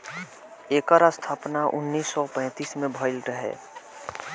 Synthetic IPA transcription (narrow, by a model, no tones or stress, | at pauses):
eːkəɾast̪ʰaːpnaʔʊ̰nːiːsːɔpɛ̃ːt̪iːsmẽbʱəɪlɾəɦḛː